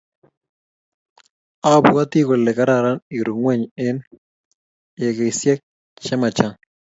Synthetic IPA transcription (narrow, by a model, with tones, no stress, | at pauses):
a˦bu˦a˦t̪i˦ko˨lːɛ˨ka˦ɾaɾa˦ni˨ɾu˨ŋwɛ˦ɲɪ˦n | jɛ˨ke˨sjɛ˦k̚ | t͡ʃɛ˦ma˨t͡ʃa˦